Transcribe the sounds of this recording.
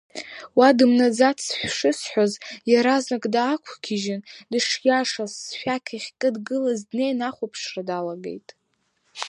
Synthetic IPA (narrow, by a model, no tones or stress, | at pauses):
wadɨmnad͡zatʰsħʷʂɨsħʷozjaɾaznakʼdaːkʷʰkʲʰiʒɪndɨʂjaʂasːħʷᶣakʲʰiχʲkʼɨdɡɨlazdnejnaχʷopʰʂradalaɡe̞̰jtʼ